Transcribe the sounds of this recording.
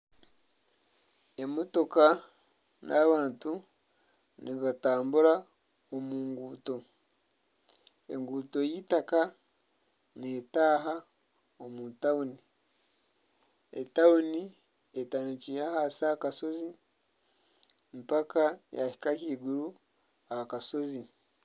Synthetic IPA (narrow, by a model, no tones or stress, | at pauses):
e̞moto̞ka | nʔaβaːntu | niβataːmbuɾa | omuːŋɡuːto̞ | ḛŋɡuːto̞jitaka | neːtaːɦa | omuntauni | ḛtauni | etaniciɾahasakaso̞zi | mpakajahi̥kakiːɡuɾu | ahakaso̞zi